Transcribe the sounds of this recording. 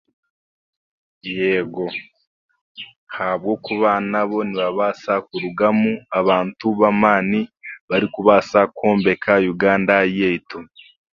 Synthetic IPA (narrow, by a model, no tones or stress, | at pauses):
jeɡo̞ | habɡo̞ːkuβanaβo̞niβaβasakuɾuɡamuaβaːntuβamaːniβaɾikuβasakʰoːmbe̞kʰajuɡaːndajeito